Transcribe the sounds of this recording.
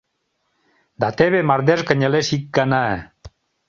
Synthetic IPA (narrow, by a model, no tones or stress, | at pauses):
d̪at̪eβemaɾd̪eskəɲelesikːanaɛ